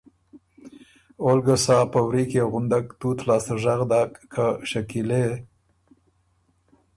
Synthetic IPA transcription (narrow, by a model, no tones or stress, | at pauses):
olɡəsɑpəwɾikeɣʊnd̪akt̪ut̪lɑːst̪aʒaɣd̪ɑkːʰaʃakile